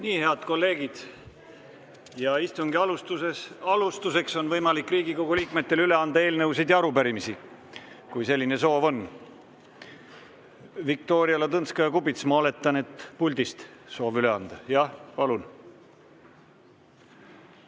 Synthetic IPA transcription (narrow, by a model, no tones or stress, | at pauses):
niːhe̞ɑd̪̥ko̞lːe̞ːɡ̥id̪̥ | jɑist̪uŋɡiɑlust̪use̞sɑlust̪use̞kso̞nvɤjmɑlikːˑriːɡiko̞ɡ̥uliːkme̞t̪ːe̞lyle̞ɑnd̪̥ɑe̞ːlnɤws̬id̪̥jɑɑɾupæɾimisi | kujse̞lʲːine̞so̞ːvo̞n | vik̚t̪o̞ːɾiɑlɑt̪ɤnskɑjɑkubit̪smɑole̞t̪ːˑɑne̞t̪pulʲd̪ist̪so̞ːvyle̞ɑnd̪̥ɑjɑhpɑlun